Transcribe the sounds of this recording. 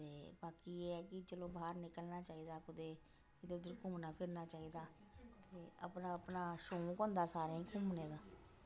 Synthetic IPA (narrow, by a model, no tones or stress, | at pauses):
t̪eːbaːkiːeːɛːkɪt͡ʃəloːbaːɾnɪkəlnaːt͡ʃaːiːd̪aːkʊd̪eː | d̪eːʊd̪əɾkʰʊːmnaːpʰɪɾnaːt͡ʃaːiːd̪aː | t̪eːə̰pnaːəpnaːʃoːkõːnd̪aːsaːɾẽːĩːkʰʊːmneːd̪aː